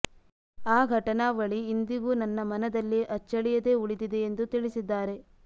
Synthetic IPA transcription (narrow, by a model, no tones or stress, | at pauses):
aːɡʱɐʈɐnaːʋɐɭiːnd̪iɡuːnɐnːɐmɐnɐd̪ɐlːiʔɐt͡ʃːɐɭijɐd̪e̞ːuɭid̪id̪e̞ːnd̪ut̪iɭisid̪ːaːɾe̞